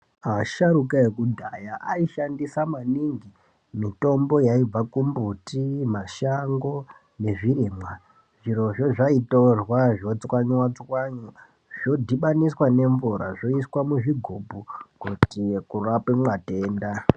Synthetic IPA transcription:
aʃaɾukaekudʱajaʔaiʃandisamaniŋɡi | mito̞mbo̞jaib͡vakumbutimaʃaŋɡo̞ | ne̞ʐirimwa | ʐiɾo̞ʐoʐaitorwaʐo̞t͡swaɲwat͡swaɲu | ʐo̞dʱiɓaniswane̞ɱvuɾa̰ʐo̞iswamuʐiɡʱobʱukutikurapemwate̞ːnda

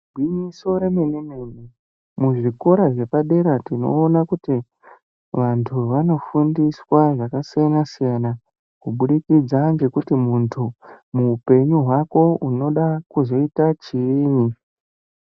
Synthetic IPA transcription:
ɡʱinisoɾe̞me̞nemene | muʐiko̞ɾaʐe̞paɗe̞ɾatino̞̰ːnakuti | ʋantʰuʋano̞fundiswaʐakasijanasijana | kuɓuɗikid͡zand͡ʒe̞kutimuntʰumuːpe̞ɲuɦwako̞uno̞ɗakuzo̞itat͡ʃiːni

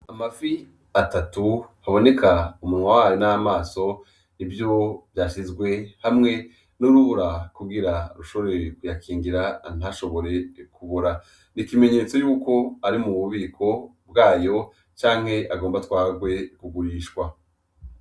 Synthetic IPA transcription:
amafi | atatuhaβo̞ne̞kʰaumunwawaːjonaamaːso̞ | ivjovjaːʃizɡwe̞hamŋe̞ | nuɾuβuɾakuɡiɾaɾuʃoɾe̞kujakʰiːŋɡiɾan̥aʃo̞βo̞ɾe̞kuβoɾa | nikime̞ɲe̞ːt͡so̞juːko̞aɾimuβuβiːkʰo̞bɡaːjo̞ | t͡ʃaːŋ̥he̞ʔaɡo̞ːmbatwaːɡwe̞kuɡuɾiːʃkwa

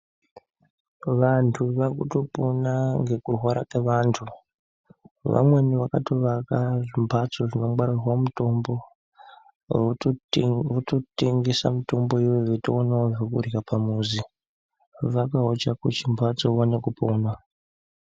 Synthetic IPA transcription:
ʋantʰuʋakutoponaŋɡe̞kurɦwaɾakeʋaːntʰu | ʋa̰mwe̞niʋakatoʋakaʐimbʱat͡so̞ʐino̞ɡ͡baɾirwamutombo̞ | ototeŋɡisa̰muto̞mbo̞iweʋetoːnaoʐokurikapʰamuːzi | ʋakaɦot͡ʃakut͡ʃimbʱat͡soʋonekupoːna

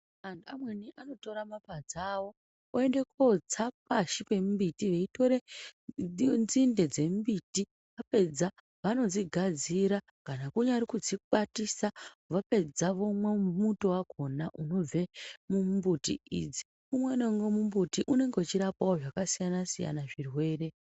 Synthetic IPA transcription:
antuamwe̞niʔano̞to̞ɾamapad͡zawo̞ | oe̞nde̞kod͡zap̚aʃipe̞mbitiʋe̞ito̞ɾe | nzinde̞d͡ze̞mbiti | ʋape̞d͡za | ʋano̞d͡ziɡʱad͡ziɾa | kanakuɲaɾikud͡ziɓatisa | ʋape̞d͡zaʋo̞mwemuto̞wako̞naʔuno̞b͡ve̞mumbutḭḭd͡zi̥ | kumweneŋɡomumbutiʔune̞ŋɡeut͡ʃiɾapawoʐakasijanasija̰naʐirwe̞ːre̞

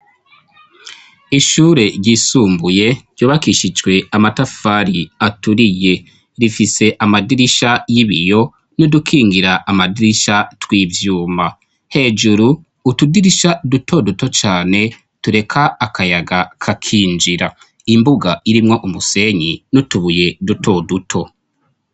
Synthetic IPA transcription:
iʃuɾe̞ɾɟisuːmbuje̞ɟ̥ɟoːβakiʃid͡ʒɡwe̞amatafaɾiatuɾije̞ | ɾifise̞ʔamadiɾiʃajiβijo̞ | nudukʰiːŋɡiɾaʔamadiɾiʃatwiːvjuːma | he̞ːd͡ʒuɾuː | tudiɾiʃadutʰo̞duto̞t͡ʃaːne̞ | tuɾe̞kʰaːkʰajaɡakʰakʰiːnd͡ʒiɾa | imbuɡaiɾimŋo̞ʔumuse̞ɲinutuβuje̞dutʰo̞dutʰo̞

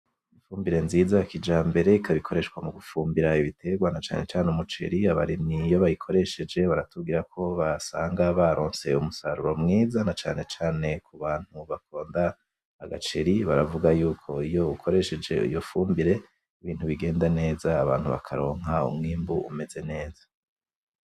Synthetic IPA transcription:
ifuːmbiɾe̞nziːzakid͡ʒaːmbe̞ɾe̞ikʰaβikʰo̞ɾe̞ʃwamuɡufuːmbiɾaiβitʰe̞ɡwanat͡ʃa̰ːne̞t͡ʃaːnumut͡ʃḛɾiaβa̰ɾinijo̞βajikʰo̞ɾe̞ʃe̞d͡ʒe̞βaɾatub̚ɡiɾakʰo̞βasaːŋɡaβaɾo̞ːnse̞umusaɾuɾo̞mŋiːzanat͡ʃaːne̞t͡ʃaːne̞kʰuβaːn̥huβakʰo̞ːndaː | ɡat͡ʃe̞ɾiβaɾavuɡajuːkʰo̞ijo̞ukʰo̞ɾe̞ʃe̞d͡ʒe̞̰ḭjo̞fuːmbiɾe̞ | iβiːn̥huβiɡe̞ːndane̞ːzaːβa̰ːn̥huβa̰kʰaɾo̞ːŋɦaṵmŋiːmbuʔṵme̞ze̞ne̞ːzḁ

